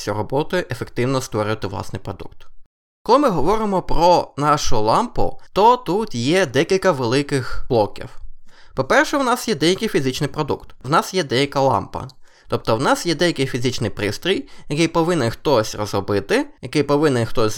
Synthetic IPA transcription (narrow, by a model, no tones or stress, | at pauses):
sʲiɾɔbɔt̪ʊʊʔefekt̪ɪwnɔst̪ʋɔɾʲʊjʊt̪ɪʋlˠɑ̰snɪ̰jpɾɔd̪ṵkt̪ | kɔlˠɪmɪɦɔʋɔɾɪmɔpɾɔnɑʃʊlˠɑmpʊ̰t̪ɔt̪ut̪jɛd̪ɛkʲilʲkɐʋelˠɪkɪxblˠɔkʲḭwpɔpɛrʃɛwnɑsjɛd̪ɛjɐkɪjfʲizʲɪt͡ʃnɪjpɾɔd̪ukt̪wnɑsjɛd̪ɛjɐkɐlˠɑ̰mpɐ̰ | t̪ɔp̚t̪ɔwnɑsjɛd̪ɛjɐkɪjfʲizʲɪt͡ʃnɪjpɾɪst̪ɾʲijjɐkɪjpɔʋɪnɛnxt̪ɔsʲrɔzɾɔbɪt̪ɪjɐkɪjpɔʋɪnɛnxt̪ɔsʲ